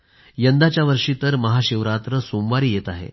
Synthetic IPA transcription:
jənd̪at͡ɕjaʋəɾʂiːt̪əɾməɦaɕiʋɾat̪ɾəsomʋaɾiːjet̪aɦḛ

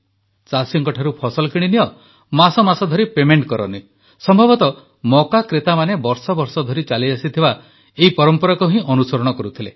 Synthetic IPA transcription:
t͡ʃasɔŋkɔʈʰaɾupʰɔsɔlɔkiɽ̃inijɔ | masɔmasɔd̪ʱɔɾipemeɳʈkɔɾɔ̰ni | sɔmbʱɔbɔt̪ɔ | mɔkakɾet̪amanebɔɾsɔbɔɾsɔd̪ʱɔɾit͡ʃaliasit̪ʰiba | eipɔɾɔmpɔɾɔkɔɦĩʔɔnusɔɾɔɽ̃ɔkɔɾut̪ʰile

